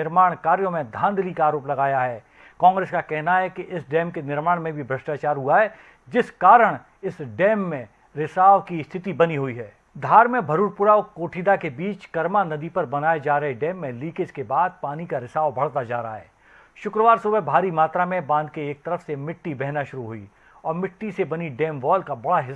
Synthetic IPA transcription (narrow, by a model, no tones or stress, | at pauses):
ɪɾmaːɽ̃kaːɾjõmẽd̪ʱãːnd̪ʱlikaːɾoːplɐɡaːjaɦɛː | kɔ̃ːŋɡɾeːskakɛɦnaɦɛkiʔɪsɖɛːmkenɪɾmaːɽmẽbʱibʱɾɐsʈaːt͡ʃaːɾɦuaɦɛː | d͡ʒɪskaːɾəɽ̃ | ɪsɖɛːmːẽ | ɾɪsaːʋkist̪ʰɪt̪ibɐniɦʊiɦɛː | d̪ʱaːɾmẽbʱɐɾuːɾpʊɾaokoːʈʰiːd̪akebiːt͡ʃkɐɾmanɐd̪ipɐɾbɐnaːed͡ʒaːɾɐɦeɖɛːmːẽliːkɪd͡ʒkebaːd̪̚paːnikaɾɪsaːʋbɐɽ̤t̪ad͡ʒa̰ːɾɐa̰ɦɛː | ʃʊkɾəʋaːɾsʊbɛbʱaːɾimaːt̪ɾamẽbãːnd̪̚keeːk̚t̪ɐɾəfsemɪʈːibɛɦnaʃʊɾuɦʊḭː | ɔːɾmɪʈːisebɐniɖɛːmʋɔːlkabɐɽaɦɪ